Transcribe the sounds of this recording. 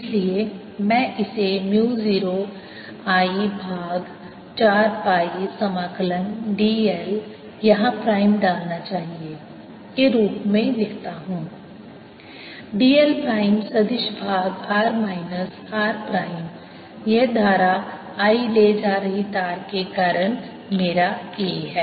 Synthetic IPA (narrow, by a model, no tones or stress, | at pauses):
ɪslie | mɛ̃ʔɪsemjuːziːɾo | aːibʱaːɡ | t͡ʃaːɾpaːisɐmaːkələnɖiːel | jɐɦãpɾaːɪmɖaːlnat͡ʃaːɦie | keɾuːpmẽlɪkt̪aɦũː | ɖiːelpɾaːɪmsɐd̪ɪʃbʱaːɡaːɾmaːɪnəs | aːɾpɾaːɪm | jed̪ʱaːɾa | aːiled͡ʒaːɾəɦit̪aːɾkekaːɾəɽ̃ | meːɾakiɦɛː